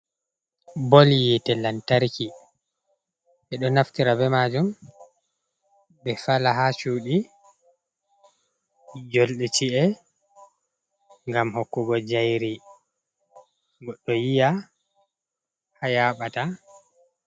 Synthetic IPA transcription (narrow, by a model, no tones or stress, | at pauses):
bɔljitɛlantaɾki | ʔɛɗɔnaftiɾabɛmad͡ʒum | bɛfalaɦat͡ʃuːɗi | d͡ʒɔlɗɛt͡ʃiɛ | ŋɡamhokːuɡɔd͡ʒajɾi | ɡɔɗːɔjija | hajaɓata